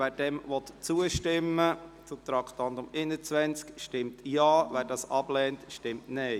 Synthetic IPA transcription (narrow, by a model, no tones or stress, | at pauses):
vɛːɾd̥ɛmvɔt̪t͡suəʃtɪmːət͡sut̪ɾɑktɑndʊmɪnət͡sʋɛnt͡skʃtɪmtjɑːvɛːɾdɑːsɑb̥lɛːntʃtɪmtneɪ